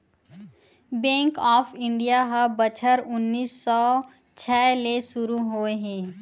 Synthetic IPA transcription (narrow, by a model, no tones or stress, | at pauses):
bẽːŋkɔːpʰɪ̃ɳɖijaɦabət͡ʃʰəɾʊnːiːsːɔː | t͡ʃʰɛːlesʊɾuɦoːeɦɛ̃ː